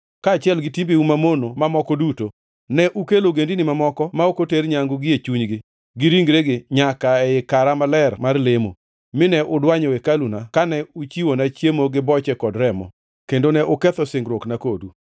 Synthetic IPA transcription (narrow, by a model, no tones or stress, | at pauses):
kaːt͡ʃɪɛlɡɪtimbiumamonomamɔkɔduto | nɛʔukeloɡendinɪmamɔkɔmaokoteɾɲaŋɡʊɡɪet͡ʃuɲɡɪ | ɡɪɾiŋɡɾeɡɪɲakaɛɪkaɾamalɛrmarlemo̰ | mɪnɛʔʊdwaɲɔwekalunakanɛut͡ʃiwonat͡ʃjemoɡɪbɔt͡ʃɛkɔdɾɛmɔ̰ | kendonɛʔʊkɛt̪ɔsɪŋɡɾwoknakodu